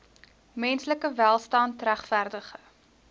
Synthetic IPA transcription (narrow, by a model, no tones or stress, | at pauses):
mɛnsləkəvælˠstɑːntræχfærdəχə